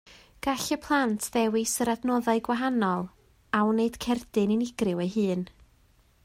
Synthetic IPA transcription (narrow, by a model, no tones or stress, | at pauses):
ɡ̥aɬəpʰlˠantʰðɛwɪsəɾadnɔðaɨɡwaɦanɔlˠ | awneɨd̥kʰɛrdɨnɪnɪɡ̥rɪwejɦɨːn